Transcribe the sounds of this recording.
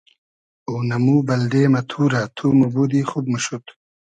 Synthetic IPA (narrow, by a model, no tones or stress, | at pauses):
onɐmuːbɐld̪eːmɐt̪ʰuːɾat̪ʰuːmubuːd̪iːxubmuɕut̪